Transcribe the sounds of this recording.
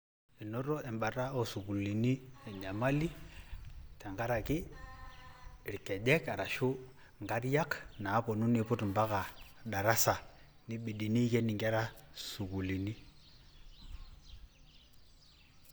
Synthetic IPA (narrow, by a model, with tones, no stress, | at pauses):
ɛ˨nɔ˦ɾɔ˦ɛ˨mba˨ɾa˦ɔ˦su˨ku˨li˨ni˦ɛ˨ɲa˨ma˦li˦ | tɛ˨ŋɡa˦ɾa˨ki˦˨ | ɾi˨kɛ˨ɗɛ˦ka˨ɾa˨ʃu˦ | ŋɡa˦ɾja˦knaː˨˦pɔ˨nu˦ni˦pu˦tmba˦ka˨ɗa˨ɾa˦sa˨ | ni˦ɓi˨ɗi˨ni˦kɛ˦ni˨ŋɡɛ˦ɾa˦su˨ɡu˨li˨ni˦